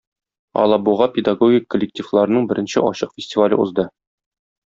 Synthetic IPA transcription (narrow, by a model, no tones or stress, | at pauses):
ɒ̰lˠɑbuʁɑpʲɪd̪aɡoɡʲikːolʲːɪk̚tʲiflˠɑɾɤ̆nɤɴbɘ̆ɾʔɘ̆nɕɘʔɒɕɤqfʲɪsʲtʲivalʲɤuzd̪ɤ